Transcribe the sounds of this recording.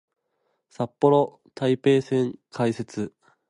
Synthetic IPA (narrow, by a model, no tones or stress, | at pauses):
sapːo̞ɾo̞ | t̪ʰaipe̞ːsẽ̞ŋkʰaise̞t͡sɨ